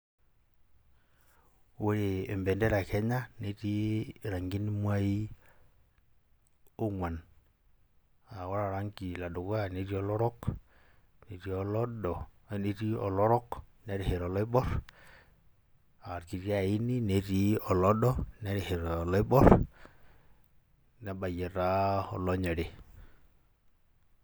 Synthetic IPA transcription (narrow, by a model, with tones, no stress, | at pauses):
wu˦ɾeː˨mbɛ˨ndɛ˦ɾa˨kɛ˦ɲa˦ne˨˦ti˦˨ɾa˨ŋɡi˦n˦mwa˦i˦ | o˦ŋwa˨n | a˨wɔ˦ɾa˨ɾa˦ŋki˨la˨dɔ˨ka˦˨ne˨˦ɾi˦ɔ˦lɔ˦ɾɔ˦k | ne˨ɾi˦ɔ˨lɔ˦dɔ˨ne˦ɾi˦ɔ̰˨lɔ˦ɾɔ˦knɛ˦ɾi˨he˨ɾɔ˨lɔ˦i˦ɓɔ˦ɾ | a˨ɾki˨ɾi˦a˨i˦ni˦ne˨ɾi˦ɔ˨lɔ˦ɗɔ˦nɛ˦ɾi˨hɛ˨ɾlɔ˦i˦ɓɔ˦ɾ | nɛ˨ɓa˨jɛ˨ɾa˦ɔ̰˨lɔ˦ɲɔ˨ɾe˨